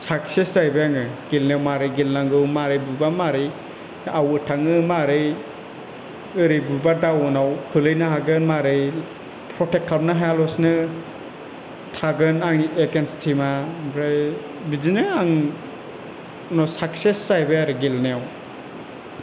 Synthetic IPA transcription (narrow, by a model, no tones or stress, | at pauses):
sak̚seszajbɯjaŋɯɡ̥ilnejawmaɾɯjɡilnaŋɡɯmaɾɯjbubamaɾɯj | awɯtʰaŋɯmaɾɯj | ɯɾɯbubadawɯnawkʰɯlɯjnaɦaɡɯnmaɾɯj | pʰɾɔtʰekʰːapnɯɦajalɔsnɯ | tʰaɡɯnaŋiekenstʰimabɾaj | bid͡ʒinɯaŋ | nɔsak̚sesːajbeaɾɯɡilneaw